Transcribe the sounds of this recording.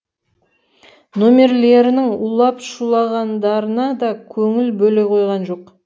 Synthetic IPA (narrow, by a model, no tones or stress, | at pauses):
nomʲe̞ɾle̞ɾɪnɪŋulˠɑpʃulˠɑʁɑnd̪ɑɾənɑd̪ɑkʲʰɵŋɪlbɵle̞jqʰo̞jʁɑnʒo̞q